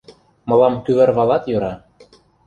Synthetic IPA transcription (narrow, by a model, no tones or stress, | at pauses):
mɤ̆lɑmk̪yβɘ̆rβɑlɑt̪jøɾɑ